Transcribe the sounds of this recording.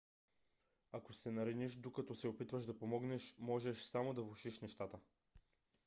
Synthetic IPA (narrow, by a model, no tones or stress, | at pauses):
akosɛnɐɾɛniʃd̪okɐt̪ɔsɛopit̪vɐʒd̪ɐpomɔɡnɛʃmɔʒɛʃsamod̪ɐvuʃiʃnɛʃt̪at̪ə